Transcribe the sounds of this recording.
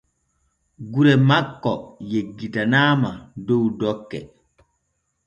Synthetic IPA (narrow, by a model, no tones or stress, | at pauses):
ɡuɾɛmakːɔjeɡːitanaːmadowdɔkːɛ